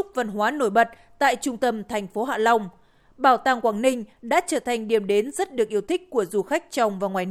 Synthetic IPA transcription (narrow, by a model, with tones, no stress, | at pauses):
ʊ˦˥k͡p̚və˨˩nɦwaː˨˦no˧˩jɓə˨˩t̚ | t̪a̰ː˧˨jt͡ɕʊ˧ŋ͡mt̪ə˧mt̪ʰɛ˨˩jŋ̟fo˨˦ɦa̰ː˧˨la˧wŋ͡m | ɓaː˧˩wt̪aː˧˩ŋkwaː˧˩ŋnï˧ŋ̟ɗa̰ː˧˥t͡ɕəː˧˩t̪ʰa˨˩jŋ̟ɗi˨˩əmɗe˨˦nzə˦˥t̚ɗɨ˨˩ək̚ʔi˧əwt̪ʰï˦˥k̟̚ku˧˩əzu˧˩xa˦˥k̟̚t͡ɕɔ˧wŋ͡mvaː˨˩ŋwaː˨˩